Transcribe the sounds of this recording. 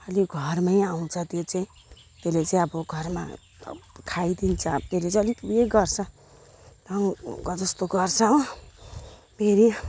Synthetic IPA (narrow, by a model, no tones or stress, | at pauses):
ʌliɡʱʌrmajaw̃t͡sʰʌt̪jot͡saĩ | t̪elet͡saĩʌbʌɡʱʌrma̰ | kʰajd̪int͡sʰʌt̪elet͡sãʌlit̪ujeɡʌrt͡sʰʌ | dʌŋɡʌd͡zʌst̪oɡʌrt͡sʰʌ | pʰeɾi